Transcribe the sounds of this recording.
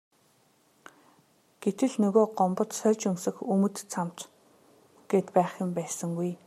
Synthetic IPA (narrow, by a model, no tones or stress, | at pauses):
ɡ̥et̪ɘ̆ɮnɵɣoːɢɔmpɞ̆t̪sœrʲt͡ɕɵŋsɘ̆xɵmɵ̆t̪t͡sʰam̥t̪ | ɡ̥eːt̪pæːχʲɪ̆mpæːsə̆ŋɡuj